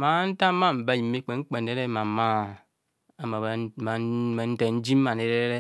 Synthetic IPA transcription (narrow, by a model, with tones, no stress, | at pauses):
ma˨˦n̩˦ta˦ma˦m̩˨ba˦ji˨mːe˦k͡pe˨ŋ͡m̩˦k͡pe˨n˨e˦ɾe˦ma˨ma˦˨ | a˨ma˨ma˨ma˨n̩˦te˨n̩˦d͡ʒi˦mː˦a˨n˨e˨ɾe˦ɾe˦ɾe˦